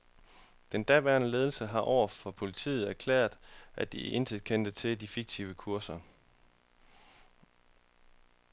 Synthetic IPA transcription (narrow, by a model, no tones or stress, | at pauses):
d̥end̥æʋæɐnəle̝ːð̞ˠl̩səɦɑ̈ʔɒʊ̰ɐfɒ̽pʰo̝lit͡sʰḭːð̞̩ˠæɐkʰlɛ̰ːɐð̥ˠʔæd̥iʔe̝nsʰið̥ˠkʰen̰d̥ət͡sʰe̝ld̥ifiɡ̥̚t͡sʰiʊəkʰuɐsɐ